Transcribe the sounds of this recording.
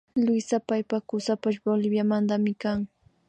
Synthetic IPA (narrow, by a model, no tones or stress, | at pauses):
lʊjsapajpakʊsapaʃbolɪbjamand̪amɪkaŋ